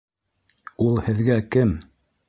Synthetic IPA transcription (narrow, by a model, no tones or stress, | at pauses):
ulˠhɘ̆ðɡækɘm